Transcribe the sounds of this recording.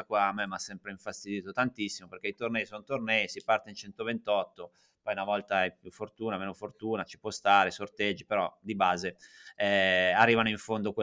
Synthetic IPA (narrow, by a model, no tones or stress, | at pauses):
akwaːmːemːasːɛmpɾeiɱfast̪id̪iːt̪ot̪ant̪isːimopeɾkeit̪ornɛjsonot̪ornɛisipart̪eint͡ʃɛnt̪ovent̪ɔt̪ːo | pɔjunavɔlt̪aɛpjufːort̪uːnameːnofort̪uːnat͡ʃi̥pwɔst̪aːɾesort̪ed͡ʒːipeɾɔd̪ibaːzeɛarːiːvanoiɱfond̪okwe